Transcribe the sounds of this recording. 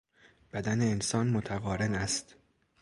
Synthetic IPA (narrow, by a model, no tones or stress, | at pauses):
b̥æd̪æneːnsɒːnmot̪ʰæɣɒːɾenæst̪